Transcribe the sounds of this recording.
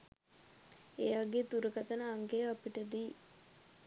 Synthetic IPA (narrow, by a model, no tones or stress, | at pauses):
ejaːɡeːt̪uɾəkat̪ənəaŋɡejapiʈəd̪iː